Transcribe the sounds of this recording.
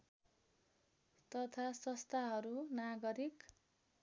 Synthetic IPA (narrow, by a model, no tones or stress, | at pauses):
t̪ʌt̪ʰasʌst̪ʰaɦʌɾunaɡʌɾik